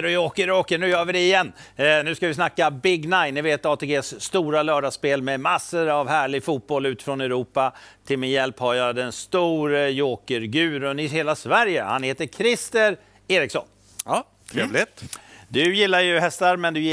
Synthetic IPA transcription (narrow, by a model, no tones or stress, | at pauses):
ɾɔjoːkəɾoːkəɳʉ̟ːjœːɾvɪd̪ɛɪjɛnːnʉ̟ːskavɪsnakːabɪɡnaɪnːɪveːt̪ɑːt̪ʰeːɡeːsːt̪uːɾalœːɖaspeːlmɛmasːəɾavhæːɭɪɡfuːt̪̚bɔlʉ̟ːt̪ɪ̥fɾɔnɛɾuːpat̪ʰɪlmejɛlphajœːɾad̪ɛnst̪uːɾəjoːkəɾɡʉ̟ːɾənɪɦeːlasvæɾjəha̰nheːt̪əɾkʰɾɪst̪əɾ | eːɾɪksɔ̰nː | t̪ʰɾeːvlɪet̪d̪ɵjɪlːajɵɦɛst̪aɾmɛnd̪ɵj